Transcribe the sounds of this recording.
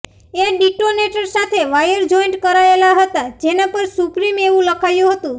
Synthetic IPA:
eɖiʈoneʈəɾsat̪ʰeʋajəɾd͡ʒɔiɳʈkəɾaelaɦət̪ad͡ʒenapəɾsupɾimeʋũləkʰajũɦət̪ũ

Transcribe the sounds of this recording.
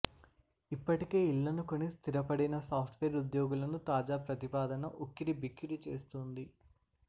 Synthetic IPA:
ipːɐʈike̞ːilːɐnuko̞nːist̪ʰiɾɐpɐɽinɐsaːpʰʈʰʋeːɾud̪joːɡulɐnut̪aːd͡ʒaːpɾɐt̪ipaːd̪ɐnɐʔukːiɾibʱikːiɾut͡ʃe̞̰ːst̪und̪i

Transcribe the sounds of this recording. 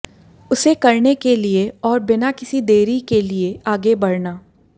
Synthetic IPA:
ʊsekɐɾnekelieɔːɾbɪnakɪsid̪eːɾikelieaːɡebɐɽnaː

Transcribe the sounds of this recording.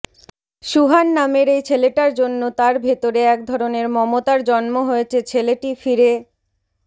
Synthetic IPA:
ʃuɦanːameɾejt͡ɕʰeleʈaɾd͡ʑonːot̪aɾbʱet̪oɾeɛk̚d̪ʱɔɾoneɾmɔmot̪aɾd͡ʑɔnmoɦoet͡ɕʰet͡ɕʰeleʈifiɾe

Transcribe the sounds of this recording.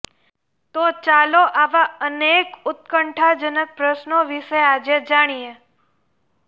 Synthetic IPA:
t̪ot͡ʃaloʔaʋaənekʊt̪̚kəɳʈʰad͡ʒənək̚pɾəʃnoʋiʃead͡ʒed͡ʒaɽ̃ije

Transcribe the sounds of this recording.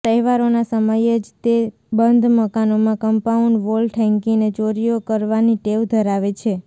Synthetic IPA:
əɦiʋaɾonasəməjed͡ʒt̪e | bənd̪ʱməkanomãkəmpauɳɖʋolʈʰɛ̃ŋkĩŋnet͡ʃoɾijokəɾʋaniʈeʋd̪ʱəɾaʋet͡ʃʰe

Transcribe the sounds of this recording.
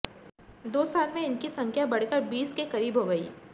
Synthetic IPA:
d̪oːsaːlmẽɪnkisɐ̃ŋkʰjabɐɽ̤kəɾbiːskekɐɾiːbɦoɡɐḭː

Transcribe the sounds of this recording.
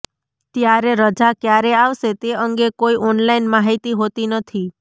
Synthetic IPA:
t̪jaɾeɾəd͡ʒakjaɾeaʋʃet̪eəŋɡekoiʔɔnlainmaɦit̪iɦot̪inət̪ʰi

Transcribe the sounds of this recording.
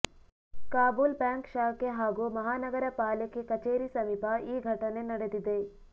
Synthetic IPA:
kaːbuːlbɛːŋkʃaːkeɦaːɡumɐɦaːnɐɡɐɾɐpaːlekekɐt͡ʃeːɾisɐmipaiːɡʱɐʈɐnenɐɽed̪id̪eː

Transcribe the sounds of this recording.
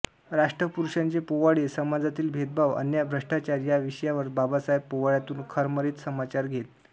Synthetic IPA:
ɾaʂʈɾəpuɾuɕãɲt͡ɕepoʋaɽesəmad͡zat̪iːlbʱet̪̚bʱaʋə̰njabʱɾəʂʈat͡ɕaɾjaʋiʂjaʋəɾbabasaɦjeb̚poʋaɭjat̪uːnkʰəɾməɾiːt̪səmat͡ɕaɾɡʱet̪

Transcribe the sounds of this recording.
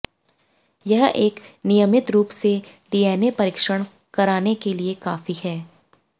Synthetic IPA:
jɐɦeːknɪjəmɪt̪ɾuːpseɖiːɛːnepɐɾɪːkʃəɽ̃ | kɐɾaːnekeliekaːfihɛː

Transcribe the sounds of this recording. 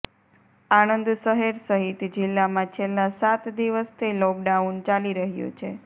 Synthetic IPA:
añənd̪səɦeɾsəɦit̪d͡ʒilːamãt͡ʃʰelːãsat̪d̪iʋəst̪ʰilɔk̚ɖaunt͡ʃaliɾəɦjṵt͡ʃʰe

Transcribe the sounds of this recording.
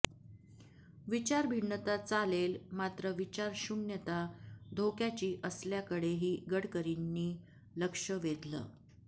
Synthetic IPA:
ʋit͡ɕaɾbʱiɳːət̪at͡salelmat̪ɾəʋit͡ɕaɾɕunjət̪ad̪ʱokjat͡ɕiːʔəsljakəɽeɦiːɡəɽkəɾinːiː | ləkʂəʋet̪lə̰ː

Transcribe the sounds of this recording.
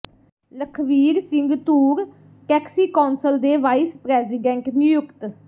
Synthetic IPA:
ləkʰʋiːɾsɪŋɡt̪uːɾ | ʈɛːksiːkaːnsəld̪eːʋaːispɾɛːziːɖɛ̃ɳʈnɪjʊkt̪

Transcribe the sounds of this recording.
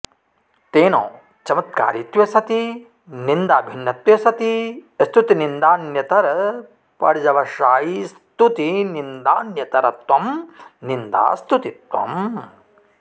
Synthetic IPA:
t̪eːnõ̰ː | t͡ʃɐmɐt̪̚ka̰ːɾit̪ʋjɐsɐt̪i | nind̪aːbʱinːɐt̪ʋjɐsɐt̪ist̪ut̪inind̪aːnjɐt̪ɐɾɐ | pɐ̰ɾd͡ʒɐʋɐʃaːjis | t̪ut̪inind̪aːnjɐt̪ɐɾɐt̪ʋɐmnind̪a̰ːst̪ut̪it̪ʋɐ̰m

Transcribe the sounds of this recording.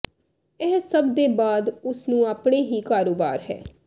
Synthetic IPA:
ɪɦsəbd̪eːbaːd̪ʊsnũːaːpɽeːɦiːkaːɾoːba̰ːɾɦɛ̰ː

